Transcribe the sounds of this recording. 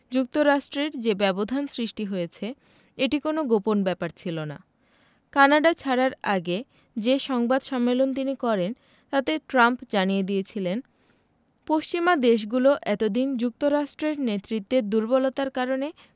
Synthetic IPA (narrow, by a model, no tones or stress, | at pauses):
d͡ʑuk̚t̪oɾaʃʈɾeɾd͡ʑebɛbod̪ʱansɾiʃʈiɦojet͡ɕʰe | eʈikonoɡoponbɛpaɾt͡ɕʰilona̰ | kanaɖat͡ɕʰaɽaɾaɡe | d͡ʑeʃɔŋbad̪ʃɔmːelont̪̬inikɔɾen | t̪at̪eʈɾampd͡ʑanijed̪ijet͡ɕʰilen | poʃt͡ɕimad̪eʃ̬ɡuloʔɛt̪od̪ind͡ʑuk̚t̪oɾaʃʈɾeɾnet̪ɾit̪ːed̪uɾbɔlot̪aɾkaɾone